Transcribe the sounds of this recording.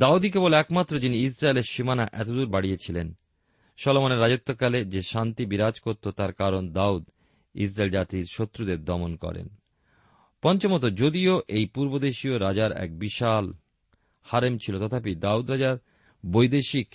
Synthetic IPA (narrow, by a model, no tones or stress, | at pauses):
d̪aud̪ik̬ebolɛkmat̪ːɾod͡ʑiniis̬ɾaeleɾʃimanaʔɛt̪od̪uɾbaɽijet͡ɕʰilen | ʃɔlomaneɾːad͡ʑot̪ːokaled͡ʑeʃant̪ibiɾad͡ʑkoɾt̪ot̪aɾkaɾond̪aud̪ | ḭsɾaeld͡ʑat̪iɾʃot̪ːɾud̪eɾd̪ɔmonkɔ̰ɾḛn | pɔnt͡ɕomɔt̪od͡ʑod̪ioʔejpuɾbod̪eʃioɾad͡ʑaɾɛ̰k̚biʃal | haɾemt͡ɕʰilot̪ɔt̪ʰapid̪aud̪ɾad͡ʑaɾ | bojd̪eʃik